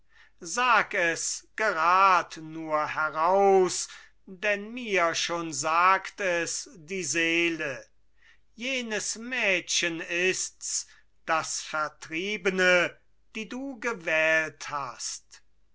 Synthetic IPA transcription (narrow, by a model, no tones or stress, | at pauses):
zaːkɛsɡ̥əʁaːtnuːɐhɛʁaʊs | dɛnmiːɐʃoːnzaːktɛsd̥iːzeːlə | jeːnəsmɛːtɕənɪsts | d̥asfɛɐtʁ̥iːbənə | d̥iːduːɡəvɛːlthast